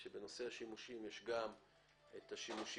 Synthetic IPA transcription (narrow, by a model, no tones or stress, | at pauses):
ʃebe̞no̞se̞aʃimuʃimjeʃɡam | et̪aʃimuʃ